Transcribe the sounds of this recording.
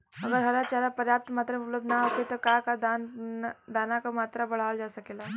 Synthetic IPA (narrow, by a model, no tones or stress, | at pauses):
ɐɡəɾɦɐɾat͡ʃaːɾapəɾjaːp̚t̪maːt̪ɾaʊpləbd̪naɦoːket̪okaːkad̪and̪aːnakamaːt̪ɾabɐɽ̤aːld͡ʒaːsɐkeːlaː